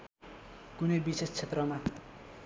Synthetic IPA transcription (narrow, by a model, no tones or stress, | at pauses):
kunebisest͡sʰet̪rʌma